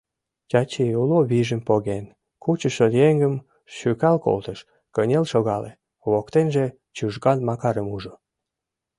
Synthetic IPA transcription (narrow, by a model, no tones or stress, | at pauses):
tʲɑt͡ɕeuloβiʒəmpoɣen | kut͡ɕəʃəd̪jeŋɡəm | ʃykɑlko̰lt̪əʃ | kənʲelʃoɣɑle | βokt̪enʒe | t͡ɕuʒɡɑnmɑkɑɾəmuʒo